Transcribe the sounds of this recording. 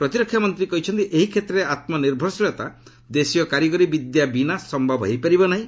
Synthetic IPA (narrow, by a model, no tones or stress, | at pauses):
pɾɔt̪iɾɔkʰːjamɔnt̪ɾikɔɦit͡ʃʰɔnt̪iʔeɦikʰet̪ɾeat̪mɔniɾbʱɔɾsilɔt̪a | d̪esijɔkaɾjɔɡɔɾibid̪jabinasɔmbʱɔbɦejpaɾibɔnaɦĩ